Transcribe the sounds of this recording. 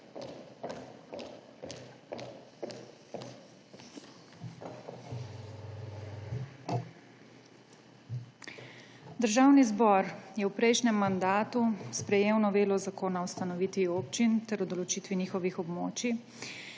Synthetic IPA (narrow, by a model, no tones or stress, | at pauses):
d̪əɾʒawnizbɔɾjɛwpɾɛjʃnɛmːand̪aːt̪uspɾɛjeːwnɔʋeːlɔzakoːnawst̪anɔʋiːt̪ʋioːpt͡ʃint̪ɛɾɔd̪ɔlɔt͡ʃit̪ʋiniːxɔʋixɔbmoːt͡ʃi